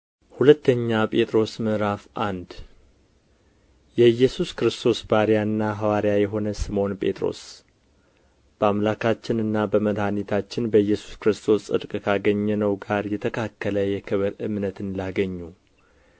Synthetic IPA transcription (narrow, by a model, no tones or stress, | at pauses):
hulət̪ːəɲːapʼe̞t̪ʼɾo̞smɨʔɾafʔand̪ | jɛjːɛsuskɾɨst̪ʰo̞sbaɾijaɨnːaɦawaɾjajɛɦo̞nəsɨmo̞npʼe̞̰t̪ʼɾo̞̰s | b̥əamlakʰat͡ʃːɪnɨnːabəməd̪hanit̪ʰat͡ʃːɪnbəjːɛsu̥skɾɨst̪ʰo̞sɨ̰d̪kʼkʰaɡəɲːɛnəwɡaɾjɛt̪ʰəkʰakːələjɛkʰɨβɨɾʔɨmnət̪ɨnlaɡəɲːu